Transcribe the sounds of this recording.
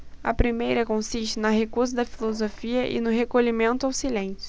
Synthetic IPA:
ɐ̰pɾimejɾɐkõsiʃt͡ʃɪnɐɦekuɾzʊd̪ɐfilozofiɐʔɪ̰nʊɦekoʎimẽnt̪ʊawsilẽsjʊ

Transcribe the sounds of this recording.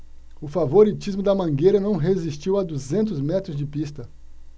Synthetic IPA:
ʊfavoɾit͡ʃizmʊd̪ɐmɐ̃ɡejɾɐnɐ̃w̃ɦezist͡ʃiwad̪uzẽnt̪ʊzmɛt̪ɾʊzd͡ʒɪpist̪ɐ

